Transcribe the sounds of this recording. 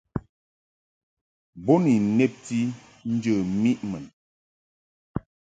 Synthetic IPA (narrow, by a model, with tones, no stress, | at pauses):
bo˦ni˨ne˦p̚ti˦ | n̩˦d͡ʒə˨mi˦ʔmə˨n